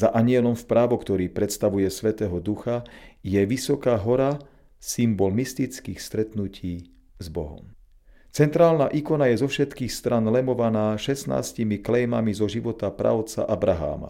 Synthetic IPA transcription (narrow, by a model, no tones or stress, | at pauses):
zaʔaɲɪɛlɔmfpɾaːʋɔkt̪ɔɾiːpɾɛt̪st̪aʋujɛsʋɛt̪ɛːɦɔd̪uxajɛʋisɔkaːɦɔɾa | simbɔlmist̪it͡skiːxst̪ɾɛt̪nuciː | zbɔ̰ɦɔ̰m | t͡sɛnt̪ɾaːlnaʔikɔnajɛzɔfʃɛt̪kiːxst̪ɾʔanlɛmɔʋanaːʃɛsna̰ːscimiklɛjmamizɔʒiʋɔt̪apɾa̰ʊt͡sa̰ʔabɾaɦa̰ːma̰